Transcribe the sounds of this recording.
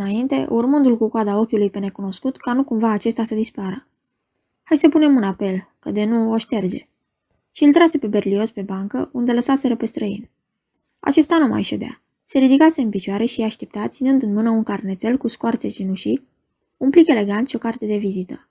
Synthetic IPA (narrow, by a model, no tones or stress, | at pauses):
ɨnaint̪e̞̰ʔurmɨnd̪ulkukoad̪ao̞kʲulujpe̞ne̞kuno̞skut̪kanukumvaːt͡ʃe̞st̪asəd̪ispaɾə | hajsəpune̞munape̞lkəd̪e̞nuo̞ʃt̪e̞rd͡ʒe̞ | ʃiɨlt̪ɾase̞pe̞be̞rlio̞spe̞baŋkəund̪e̞ləsase̞ɾepe̞st̪ɾəḭn | a̰t͡ʃe̞st̪anuma̰jʃed̪ea̰ | se̞ɾid̪ikase̞ɨnpit͡ʃoaɾeʃiaʃt̪e̞p̚t̪at̪sinɨnd̪ɨnmɨnəunkarnet̪se̞lkuskoart̪se̞t͡ʃinuʃi | unplike̞le̞ɡant̪ʃio̞kart̪e̞d̪e̞vizit̪ə